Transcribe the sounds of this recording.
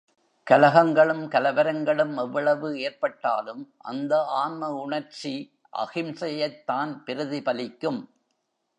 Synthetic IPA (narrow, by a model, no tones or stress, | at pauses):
kɐlɐɣɐŋɡɐɭɯmkɐlɐʋɐɾɐŋɡɐɭɯmɛʋːɐɭɐʋɯeːɾpɐʈːa̰ːlɯmʔɐ̰nd̪ɐaːnmɐʊɳɐɾt͡ʃi | ʔɐ̰ɣɪmsɐjɐɪt̪ːaːnpɪɾɯðipɐlɪkːɯm